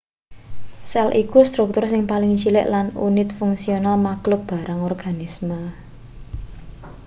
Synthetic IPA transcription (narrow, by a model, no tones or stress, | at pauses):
sɛlʔikust̪ɾʊk̚t̪ʊrsɪŋpalɪŋt͡ʃilɪ̰ʔlanṵnɪt̪fʊŋsionalmaklʊk̚b̥a̤ɾaŋɔrɡ̥a̤nɪsmə